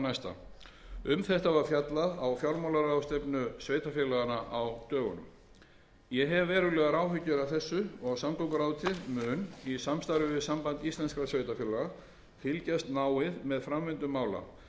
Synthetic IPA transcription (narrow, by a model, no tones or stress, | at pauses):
najst̪a̰ | ʏmθɛht̪avaɾ̥fjat̪laðawfjawɾmawlaɾawst̪ɛpnʏsveːjt̪afjɛlaɣanaʔawt̪œːɣʏ̰nʏ̰m | jɛɦɛvːɛːɾʏlɛːɣaɾaːwfʏcːʏɾawθɛsːʏɔɣsamkɔŋkɾaːwt̪ʰɪðmʏːnisamst̪ajɾʏvɪðsampant̪ist̪lɛnskɾasveːjt̪afjɛlaɣa | fɪlcast̪naːwɪðmɛðfɾamvɪnt̪ʏmːaːwla̰